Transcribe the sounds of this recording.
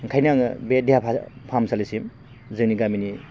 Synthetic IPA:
ŋkʰajnaŋɯ̰bedejapʰapʰamsalisim | zɯŋniɡamini

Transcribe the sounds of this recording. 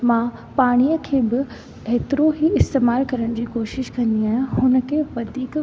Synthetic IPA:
mãː | paːɽ̃ijəkʰeːbɪ | eːt̪ɪɾoɦiɪst̪eːmaːlkɐɾəɽ̃d͡ʑiːkoːʃɪʃkɐ̃nd̪iaːɦɪ̃ɦʊnə̆kʰeːʋɐd̪ʱiːk

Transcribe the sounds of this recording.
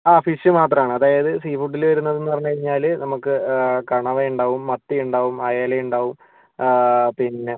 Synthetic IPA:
aːfiɕɨmaːt̪rɐmaːɳɨɐðaːjɐðɨsiːfuɖːilʋɐɾunːɐðe̞nːɨpɐrɐɲːukɐɾiɲːaːlnɐmukːɨkɐɳɐʋeːjuɳɖaːʋumːɐt̪ːijuɳɖaːʋumɐjaːlɐjuɳɖaːʋum | pinːe

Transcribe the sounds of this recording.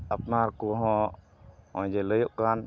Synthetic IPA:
apnaɾkuɦɔ̃ʔ | ɔ̃j̃d͡ʒɛləjɔʔkan

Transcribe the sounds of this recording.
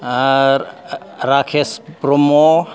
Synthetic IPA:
ɾakʰespɾomo

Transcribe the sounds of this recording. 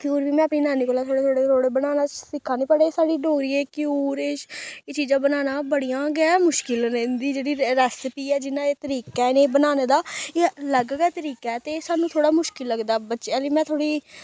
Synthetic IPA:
kjuːɾbiːmɛ̃ːəpniːnaːniːkoːlɛːt̪ʰoːɽeːt̪ʰoːɽeːɾoːɽeːbənaːnaːsɪkʰːaːniːpəɽeːsaːɖiːɖoːɾiːeːkɪuːɾeːet͡ʃiːzãːbənaːnaːbəɽijãːɡɛːmʊʃkɪled̪iːd͡ʒeːɽiːɾɛːsɪpiːɛːd͡ʒɪnãːeːt̪əɾiːkɛːneːbənaːneːd̪aːeːləɡɡɛːt̪əɾiːkɛːt̪eːsaːnũːt̪ʰoːɽaːmʊʃkɪlːəɡd̪aːbətːʃaːliːmɛ̃ːt̪ʰoːɽiː

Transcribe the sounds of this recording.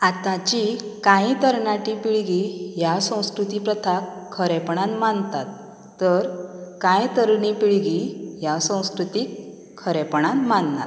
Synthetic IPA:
at̪ãt͡ɕikãit̪əɾɳaʈipiɭɡijasə̃w̃skɾut̪ipɾət̪ʰakʰːəɾɛpɳanmant̪at̪ː | əɾkãjt̪əɾnipiɭɡijasə̃w̃skɾut̪ikʰː | əɾɛpɳanmanna̰t̪

